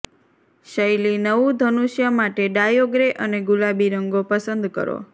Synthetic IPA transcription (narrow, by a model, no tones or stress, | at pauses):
ʃəjlinəʋud̪ʱənuʃjamaʈeɖajoɡɾeʔəneɡulabiɾəŋɡopəsənd̪kə̰ɾo̰